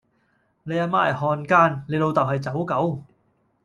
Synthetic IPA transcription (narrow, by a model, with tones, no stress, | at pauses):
ne˨˧jaː˧maː˧˥ɐ̰˨˩hɔː˧nkaː˥nle˨˧jlo˧wt̪ɐ˨˩whɐ˨jt͡sɐ˨˥wkɐ˨˥w